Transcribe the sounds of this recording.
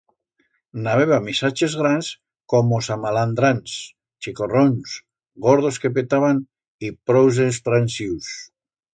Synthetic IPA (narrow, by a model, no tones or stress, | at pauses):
naβeβamisat͡ʃezɣɾans | komosamaland̪ɾans | t͡ʃikorons | ɣoɾð̞oskep̬et̪aβan | ipɾowz̬est̪ɾansiws